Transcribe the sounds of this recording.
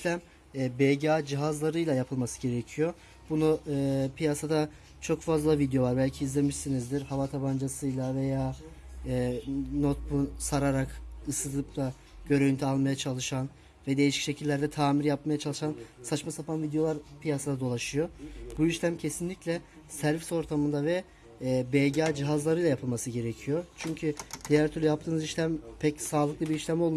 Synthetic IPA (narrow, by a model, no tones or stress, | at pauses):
ʃlʲæmː | bɛlʲɟaːd͡ʒiɦazlˠaɾɯjlˠajapʰɯlˠmasɯ̥ɟe̞ɾecʰijo̞ | bunupʰijasad̪a | t͡ʃʰo̞kfazlˠavid̪jo̞lˠaɾbælʲcʰiːzlʲe̞miʃsinizd̪iɾhavat̪ʰaband͡ʒasɯjlˠave̞jaː | no̞t̪̚busaɾaɾakɯsɯd̪ɯp̚t̪a | ɟ̥ø̞ɾøjynt̪ʰialˠmajat͡ʃʰalˠɯʃan | vɛd̪e̞jiʃi̥cʃe̞cʰilʲːæɾd̪ɛt̪ʰaːmiɾjapmajat͡ʃʰalˠɯʃansat͡ʃmasapʰanvid̪ejo̞aɾpʰijasɯnad̪o̞lˠaʃɯjo̞buiʃlʲæmcʰe̞sinlʲiclʲɛ | sæɾviso̞ɾt̪ʰamɯnd̪avɛ | bɛlɟaːd͡ʒiɦazlˠaɾɯjlˠajapʰɯlˠmasɯɟe̞ɾecʰijo̞t͡ʃʰyɲcʰyd̪̥ijæɾt̪ʰyɾlʲyjap̚t̪ʰɯːnɯziʃlʲæmpʰɛcsaːlˠɯklˠɯbiɾiʃlʲæmo̞lˠm